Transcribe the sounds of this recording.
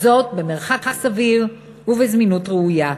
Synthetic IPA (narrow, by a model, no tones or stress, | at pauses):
zo̞t̚bemeʁχakhasaviʁ | uvezminutʁeuja